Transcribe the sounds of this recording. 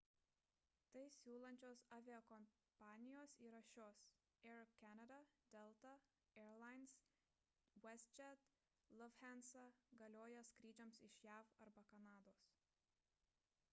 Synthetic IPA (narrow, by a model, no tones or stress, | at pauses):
t̪ɐɪsʲuːlˠɐnʲt͡ʃʲoːsɑːʋʲeɛkɔm | pɑːnʲɪjoːsiːɾɐʃʲoːs | ɛɾkʲænɐd̪ɐd̪̥ʲɛlˠt̪ɐ | ɛɾlˠɑɪns | wɛst͡ʃʲɛt̪ | lˠɔʋhʲænsɐɡɐlʲoːjɛskɾʲiːd͡ʒʲɛmsɪʃjæːfɐɾbɐkɐnɑːd̪oːs